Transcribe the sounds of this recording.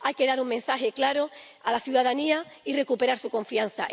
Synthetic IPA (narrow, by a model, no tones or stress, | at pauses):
ajke̞ðaɾuŋmẽ̞nsaɦe̞klaɾo̞ | alaθjuðaðaniaire̞kupe̞ɾaɾsuko̞ɱfian̟θa̰